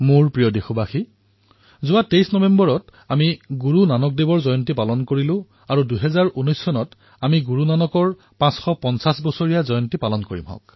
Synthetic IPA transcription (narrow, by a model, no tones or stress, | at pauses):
mʊɹpɹijɔdexubaxi | zʊatejsnɔbembɔɹɔt | amiɡuɹunanɔk̚debɔɹzɔjɔntipalɔnkoɹilʊ̃ | aɹuduɦɛzaɹʔunɔjsːɔnɔt | amiɡuɹunanɔkɔɹ | pãsxɔpɔnsasbɔsoɹijazɔjɔntipalɔnkoɹḭmɦɔ̰k